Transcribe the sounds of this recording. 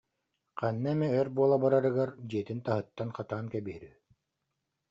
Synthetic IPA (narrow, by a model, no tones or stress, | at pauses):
qʰanːamɛœɾbuɔlˠabaɾaɾɯɡaɾd͡ʑiɛt̪int̪aɦɯt̪ːanqat̪aːnkɛbiɾy